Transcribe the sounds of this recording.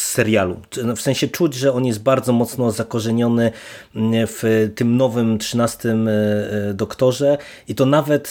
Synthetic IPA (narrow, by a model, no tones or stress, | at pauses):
ɛɾʲjalṵfsɛ̃ɕɛt͡ʂud͡ʑʐɛɔnjɛst̪̚baɾd̪zɔmɔt̪snɔzakɔʐɛɲɔnɘ | ft̪ɘmnɔvɘmtʂɘnast̪ɘm | d̪ɔkt̪ɔʐɛ | it̪ɔnavɛt̪